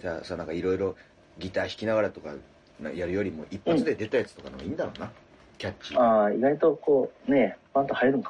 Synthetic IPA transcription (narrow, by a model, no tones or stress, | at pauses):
d͡ʑasanãŋkaiɾo̞iɾo̞ | ɡʲit̪aːçi̥kʲinaɡaɾat̪o̞ka̰ | na̰jaɾɯ̟jo̞ɾʲimo̞̰ʔipːat͡sɨd̪ed̪e̞t̪ajat͡sɨ̥t̪o̞kanoɡaĩːnd̪aɾo̞̰ːna | kʲat͡ɕːiaiɡait̪o̞koːne̞mãnt̪ohaɾiɾɯ̟ŋka